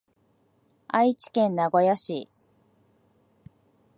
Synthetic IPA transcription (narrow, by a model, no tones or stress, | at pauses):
ait͡ɕi̥kẽ̞nːaɡo̞jaɕi